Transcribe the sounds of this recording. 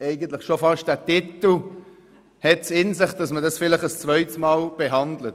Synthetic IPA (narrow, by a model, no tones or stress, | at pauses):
ɛɪɡəntlɪχʃofɑʃtd̥æːtitl̩ | hɛtsɪnsɪχtd̥ɑsmədɑsfɪlɪχəst͡svœʏtsmɑːlb̥ɛɦɑndlət